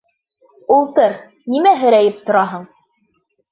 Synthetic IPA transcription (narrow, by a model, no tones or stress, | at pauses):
ulˠt̪ɤɾ | nimæɦɘ̆ɾæjɘp̚t̪ŏɾɑɦɤɴ